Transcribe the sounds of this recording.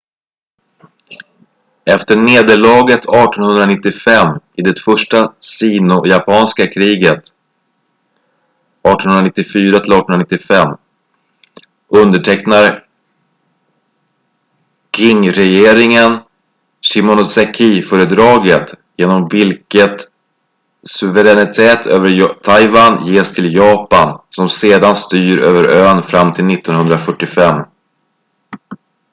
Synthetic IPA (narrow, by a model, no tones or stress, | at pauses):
ɛft̪əɳeːd̪əɭɑːɡət̪ʰɑːʈɔnhɵnd̪ɾanɪt̪ːɪfɛmːɪd̪ɛt̪fœʂʈasiːnʊjapʰɑːnskakʰɾiːɡət̪ | ʔɑːʈɔnɵnɾanɪt̪ːɪfyːɾat̪ʰɪlɑːɾʈːɔnɵnanɪt̪ːɪfɛmː | ɵnd̪əʈʰɛknaɾ | kʰɪŋɾɛjeːɾɪŋən | ɕɪmʊnʊsɛkʰiːfœːɾəd̪ɾɑːɡət̪jeːnɔmvɪlkət̪ | sɵvəɾɛnɪt̪ʰeːt̪ʰøːvəɾt̪ʰːajvanjeːst̪ʰɪljɑːpansɔmseːd̪anst̪yːɾøːvəɾøːnfɾamːt̪ʰɪlnɪt̪ːɔnɦɵnd̪ɾafœʈːɪfɛmː